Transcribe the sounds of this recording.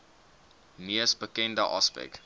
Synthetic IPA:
niəsbəkɛndəʔɑspɛ̰k

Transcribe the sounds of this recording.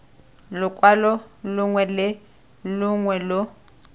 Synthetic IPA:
lʊkʼwalɔlʊŋwɛlɪ | lʊŋwɛlʊ

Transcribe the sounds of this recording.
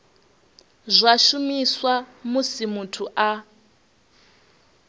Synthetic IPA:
zʷaʃumiswamusimutʰuʔa

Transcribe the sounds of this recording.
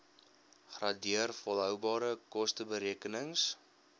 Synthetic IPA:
χrɑdiərfɔlɦœwbɑːɾəkɔstəbəɾiəkənəŋs

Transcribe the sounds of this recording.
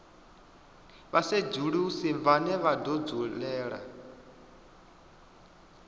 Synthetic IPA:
βased͡ʒuɺiusiɱvanɛβadɔd͡zuɺɛːɺa̰

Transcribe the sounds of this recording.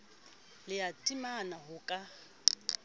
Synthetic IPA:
lɪatʼimanaɦʊkʼa

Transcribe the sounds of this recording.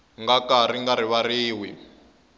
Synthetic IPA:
ŋɡakariŋɡaɾiβariːwi

